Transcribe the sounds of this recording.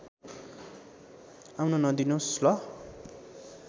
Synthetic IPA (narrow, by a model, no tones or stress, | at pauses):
awnonʌd̪inoslʌ